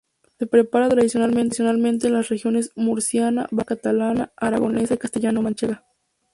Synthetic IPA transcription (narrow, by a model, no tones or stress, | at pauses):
se̞pɾe̞paɾat̪ɾaðisjonalmensjo̞nalmẽnt̪̬enlasrexjo̞ne̞smuɾsjana̰bakat̪alanaaɾa̰ɣo̞̰ne̞saikast̪eʝanomant͡ʃeɣa